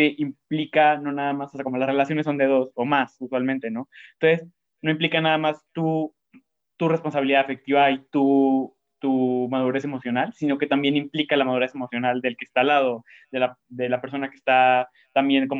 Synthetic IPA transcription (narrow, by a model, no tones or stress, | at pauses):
eʔimplikano̞naðamasosakomo̞lasre̞lasjo̞nesːo̞nd̪e̞ðo̞so̞masuswalmẽnt̪e̞no̞ent̪onses | no̞implikanaðamast̪u | t̪ure̞spo̞ns̬aβiliðaefe̞k̚t̪iβait̪u | t̪umað̞uɾe̞se̞mo̞sjo̞nalsino̞ke̞t̪ambje̞nimplikalamaðuɾe̞se̞mo̞sjo̞nald̪e̞lke̞st̪alaðo̞ | ðe̞lad̪e̞lape̞ɾs̬o̞nake̥st̪a | t̪ambje̞ŋko̞m